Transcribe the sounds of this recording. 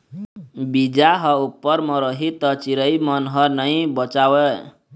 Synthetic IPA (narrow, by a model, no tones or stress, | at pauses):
bid͡ʒaɦʌupːʌɾmʌɾʌɦit̪ʌt͡ʃiɾʌjmʌnɦʌnʌj̃bʌt͡ʃawe